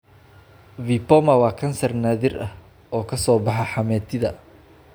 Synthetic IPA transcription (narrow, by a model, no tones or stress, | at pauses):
vipɔmɐwɑːkʰɐnsɐrnaːðɪrʔɐh | ɔːkʰɐsɔːbɑħɑħɑmɛːt̪ʰɪðɐ